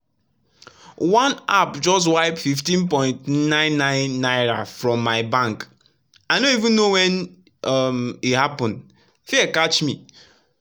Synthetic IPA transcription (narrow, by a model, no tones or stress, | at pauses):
wãnapd͡ʒɔst̬waɪpfiftĩnpɔ̃ɪ̃ntnãɪ̃nːãɪ̃nːaɪɹa̰fɹɔ̃mːaɪbãŋk | aɪnoivũnːowɛ̃n | ʌmithapɔ̃nd | fikat͡ʃmi